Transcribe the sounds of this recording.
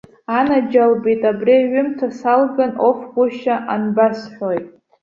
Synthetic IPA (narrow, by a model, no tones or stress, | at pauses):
anad͡ʒalbitʼabriaɥʷʊmtʰasalɡanofɡʷʊʃaʔanbasħʷᶣojtʼ